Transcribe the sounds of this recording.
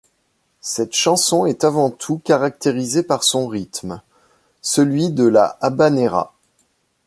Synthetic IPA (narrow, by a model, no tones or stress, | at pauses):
sɛt̪ʃɑ̃sɔ̃ɛt̪avɑ̃t̪ʰukaʁak̚t̪eʁizepaʁsɔ̃ʁit̪m | səlɥid̪əla̰ːbaneʁa̰